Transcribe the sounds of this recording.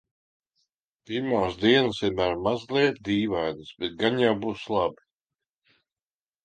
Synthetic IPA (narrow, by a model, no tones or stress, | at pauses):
piɾmaːsd̪iɛnəsimæːɾmazlˠiɛt̪̚d̪iːvajd̪ɨsbɛt̪̚ɡaɲawbuːslˠabi